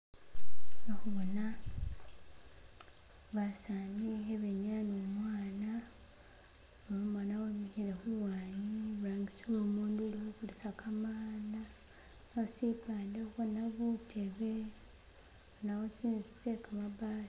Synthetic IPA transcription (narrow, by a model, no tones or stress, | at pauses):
noxuβona | βasanieβeɲanomwaːna | oomwaːnawemihiɾexuwaːɲiβuɾaːŋɡisiwoːmuːndoliwukulisakʰamaːna | nausipaːndehuβonaβutʰeβe̞ | onawot͡ʃinsi̥tekamabaːs